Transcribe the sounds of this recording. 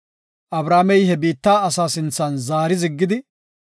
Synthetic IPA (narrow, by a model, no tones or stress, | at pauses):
ʔɐbɾaːmɛjhɛbiːt̪ːaːɐsaːsɪnt͡sːɐnzaːɾɪzɪɡːɪd̪ɪ